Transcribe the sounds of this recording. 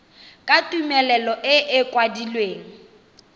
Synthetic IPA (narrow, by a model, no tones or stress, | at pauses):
kʼatʼumɛlɛlɔʔɪʔɪkʼwadilweːŋ̩